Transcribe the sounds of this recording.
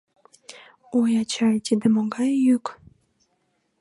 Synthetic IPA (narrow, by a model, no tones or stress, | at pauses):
ojɑt͡ɕɑjt̪id̪ĕmoɡɑjːyk